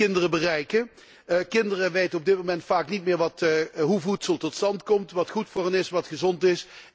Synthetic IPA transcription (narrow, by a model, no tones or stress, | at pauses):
ɪndərəbərɛjkə | kɪndərəʋejtənɔbdɪt̚momɛntfaːknitmɪːɹʋɑtɦuvutsəlˠtɔtstɑntkɔmtʋɑtχutfʊːɹɦənɪsʋɑtχəzɔntɪs